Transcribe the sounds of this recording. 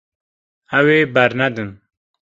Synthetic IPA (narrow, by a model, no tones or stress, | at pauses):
æweːbæɾnɛd̪ɨn